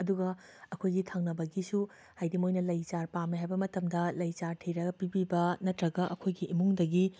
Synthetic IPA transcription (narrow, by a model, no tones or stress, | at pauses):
ɐduɡɐ | ɐkʰojɡitʰaŋnɐbɐɡisu | hajdimojnɐlɐjt͡ʃaɾpamiɦajbɐmɐtɐmdɐlɐjt͡ʃaɾtʰiɾɐɡɐpibibɐnɐtɾɐɡɐʔɐkʰojɡiʔːmuŋdɐɡi